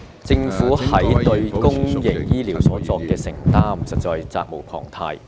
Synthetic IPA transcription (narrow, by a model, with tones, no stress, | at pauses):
t͡sɪ˧ŋfuː˨˥hɐ˨˥jt̪ɵ˧ɥkʊ˥ŋjɪ˨˩ŋjiː˥liː˨˩wsɔː˨˥t͡sɔː˧kːɛː˧sɪ˨˩ŋt̪aː˥msɐ˨t̚t͡sɔː˧jt͡sa̰ː˧k̚mo˨˩wpʰɔ̰ː˨˩ŋt̪ʰa̰ː˧j